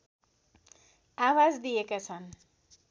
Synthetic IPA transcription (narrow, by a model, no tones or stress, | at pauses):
awad͡zd̪ijekat͡sʰʌn